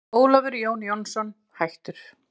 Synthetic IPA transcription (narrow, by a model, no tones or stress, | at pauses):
oːwlavɪɾjoːwnjɔnsɔn | hajht̪ʏɾ̥